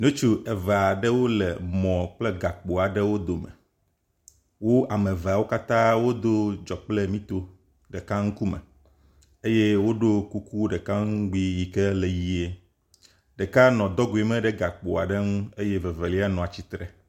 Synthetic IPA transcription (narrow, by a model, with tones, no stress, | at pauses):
nõ˦t͡ʃu˦ʔɛ˨ve˨a˨ɖɛ˦wo˦lɛ˨mɔ̃˨k͡plɛ˦ɡa˨k͡po˨a˨ɖɛ˦wo˦d̪o˨mɛ̰̃˨ | wo˦ʔa˨mẽ˨ve˨a˨wo˦ka˦t̪ã˦wo˦d̪o˦d͡ʒɔ˨k͡plɛ˦mĩ˦t̪o˦ | ɖɛ˨ka˦ŋ̩˦ku˦mɛ̰˨ | e˦je˦wo˦ɖo˦ku˦ku˦ɖɛ˨ka˦ŋ̩˦ɡ͡bi˦ji˨kɛ˦le˨ji˦e˦ | ɖɛ˨ka˦nɔ̃˨d̪ɔ˦ɡu˨e˨mɛ̃˦ɖɛ˦ɡa˨k͡po˨a̰˨ɖɛ˦ŋũ˦e˦je˦ve˨ve˨li˦a˦nɔ̃˨a˨t͡ɕi˦t̪ɾɛ˨